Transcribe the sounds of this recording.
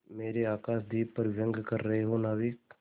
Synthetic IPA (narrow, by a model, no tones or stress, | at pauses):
meːɾeaːkaːsd̪iːpɐɾʋjə̃ŋɡkəɾːɐɦeɦonaːʋik